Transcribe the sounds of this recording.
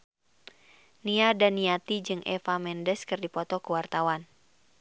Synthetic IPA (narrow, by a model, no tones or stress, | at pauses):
niadaniat̪id͡ʒɨŋʔɛ̰famɛndəskɨrdipɔt̪ɔkuwart̪awan